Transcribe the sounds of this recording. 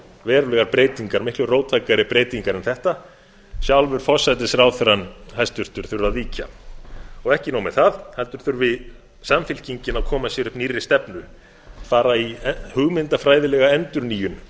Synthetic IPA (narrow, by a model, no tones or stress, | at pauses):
vɛːɾʏlɛɣaɾpɾeːjt̪iŋkaɾmɪhklʏroːwt̪ʰajkaɾɪpɾeːjt̪iŋkaɾɛnθɛht̪a | sjawlvʏɾ̥fɔsajt̪ɪsrawθʏɾanhajst̪ʏɾ̥t̪ʏɾ̥θʏɾaðviːca̰ | ɔɣɛhcɪnawmɛðθaðhɛlt̪ʏɾ̥θʏɾvɪð | samfɪl̥ciɲcɪnaðkʰɔːmasjɛɾʏhpnirːɪ̥st̪ɛpnʏ | faːɾaihʏɣmɪnt̪afɾaːjðɪlɛɣaɛnt̪ʏɾniːjʏn